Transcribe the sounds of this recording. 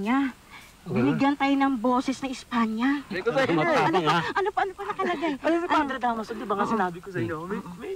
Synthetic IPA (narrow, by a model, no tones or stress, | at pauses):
a | bɪnɪɡjɐnt̪aːjonɐŋbo̞ːsɛsnɐɪspaːɲɐ | ɐnooʔɐnopoʔɐnoponɐk̪ɐlɐɡaɐoɐaɾɐd̪aːmɐsod̪ɪbaŋɐsɪnaːbɪkosɐʔɪɲːomɐmɛ